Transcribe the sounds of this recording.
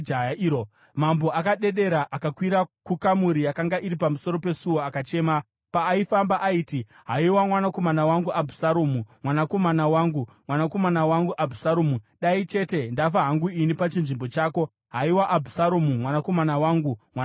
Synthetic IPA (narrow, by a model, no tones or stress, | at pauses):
ao | mambo̞ʔakaɗe̞ɗe̞ɾaʔakakwiɾakukamuɾijakaŋɡaʔiɾipamuso̞ɾo̞pe̞suwo̞akat͡ʃe̞ːma | paːifambaʔaiːti | ɦaiwamwanakomanawaŋɡuʔabʱu̥saɾoːmumwanako̞manawaŋɡu | mwanako̞manawaŋɡuʔabʱusaɾoːmuɗait͡ʃe̞te̞ndafaɦaŋɡuinipat͡ʃinʐimbo̞t͡ʃaːko̞ | ɦaiwaʔabʱu̥saɾomumwanako̞manawaːŋɡumwa